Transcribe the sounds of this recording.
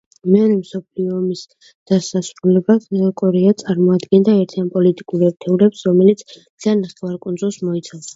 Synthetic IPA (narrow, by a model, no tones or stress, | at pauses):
mɛɔɾɛmsɔpʰliɔːmis | d̪̥asasɾulɛbaɛlakʼɔɾɛat̪sʼaɾmɔad̪ɡɛnd̪aɛɾt̪ʰianpʼɔlit̪ʼikʼuɾɛɾt̪ʰɛuɾɛpsɾɔmɛlit̪sʰ | zanaχɛvaɾkʼund̪zulˠsmɔit̪sʰas